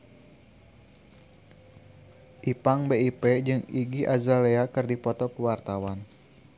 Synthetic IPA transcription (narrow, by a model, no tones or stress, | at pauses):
ʔipaŋbeipɛd͡ʒɨŋiɡiʔazaleakɨrdipɔt̪ɔkuwart̪awan